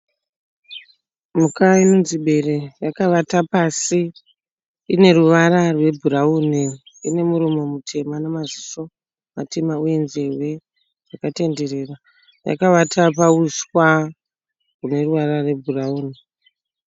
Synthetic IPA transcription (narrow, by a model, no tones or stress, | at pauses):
mukaino̞nziɓe̞re̞jakaʋatapasiː | ne̞ruʋaɾarwe̞bʱuɾauːni | ine̞muɾumo̞mutʰe̞manamaziso̞ | mate̞mauje̞nze̞rwe̞ | ʐakate̞nde̞ɾe̞ra | ja̰kaʋatapauswa | rune̞ruʋaɾarwe̞bʱurauːni